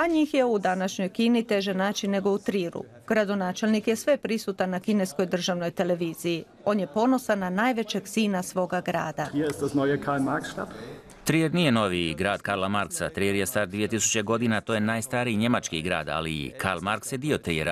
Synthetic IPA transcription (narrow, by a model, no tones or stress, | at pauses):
aɲiːxje̞ud̪anaʃɲo̞jkinit̪e̞ʒenaːt͡ʃinːe̞ɡo̞ut̪ɾiːɾṵ | ɡ̥ɾad̪o̞naːt͡ʃe̞lnikje̞sʋe̞pɾisut̪anːakine̞sko̞jd̪r̩ʒaʋno̞jt̪e̞le̞ʋiːziji | o̞ːnje̞po̞no̞sananaːjʋe̞t͡ɕe̞ɡziːnasʋo̞ːɡaɡɾa̰ːd̪ahiːɐɪst̚d̥asnɔʏəkʰaːmaːk̚tʃta̰ːp | t̪ɾieɾnije̞no̞ʋiɡɾaːd̪̥kaɾlˠamaɾksa̰t̪ɾiɾjest̪aːɾd̪ʋije̞t̪isu̥t͡ɕe̞ɡo̞d̪inat̪ojenaːjst̪aɾiɲe̞mat͡ʃkḭɡɾa̰ːd̪a̰lḭkʰa̰ɾlmaɾksjed̪io̞t̪ɾḭjeɾa̰